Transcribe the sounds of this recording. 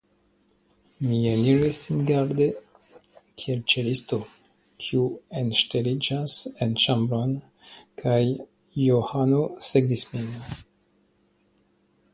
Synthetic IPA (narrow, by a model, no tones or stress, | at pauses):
mijeniwesinɡaɾde | kʰielt͡ʃelisto | kʰiuenʃtelid͡ʒasent͡ʃambɾon | kʰajː | ohanoseɡvismin